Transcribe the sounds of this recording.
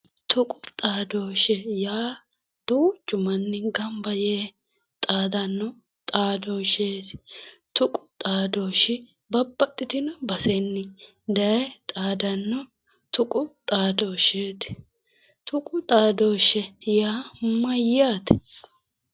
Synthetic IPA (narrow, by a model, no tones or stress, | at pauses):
t̪ʰʊkʼʊt̪ʼaːd̪oːʃɛjaː | d̪uːt͡ʃʼːʊmɐnːɪɡɐmbɐjeː | t̪ʼaːd̪ɐnːɔ | t̪ʼaːd̪oːʃeːt̪t̪ʊkʼʊt̪ʼaːd̪oːʃɪ | bɐbːɐt̪ʼːɪt̪ɪnɔbɐsɛnːɪ | d̪ɐjɛt̪ʼaːd̪ɐnːɔ | t̪ʊkʼʊt̪ʼaːd̪oːʃeːt̪ɪ̥ | t̪ʰʊkʼʊt̪ʼaːd̪oːʃɛjaːmɐjaːt̪ɛ̥